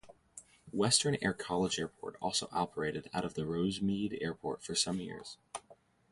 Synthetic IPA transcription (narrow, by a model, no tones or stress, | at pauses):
wɛstə̃˞nɛ̰ɹkʰɑlˠəd͡ʒɛɹpʰɔ̰ɹɾɔ̰lˠsoʊʔɑpʰə˞eɪɾɨɾa̰ʊɾʌvðɨɹoʊzmiɾɛ̰ɹpʰɔ̰ɹtfə˞sʌ̃mjɪ̰ɹz̥